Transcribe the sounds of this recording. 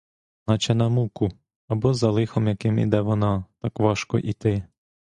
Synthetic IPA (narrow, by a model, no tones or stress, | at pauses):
nɑt͡ʃɛnɐmukʊ | ɐbɔzɐlˠɪxɔmjɐkɪmḭd̪ɛʋɔnɑt̪ɑkʋɑʃkɔ̰ʔit̪ɪ